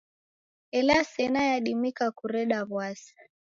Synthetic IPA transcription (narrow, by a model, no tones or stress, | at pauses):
ɛlasɛnajaɗimikakuɾɛɗaβwasḁ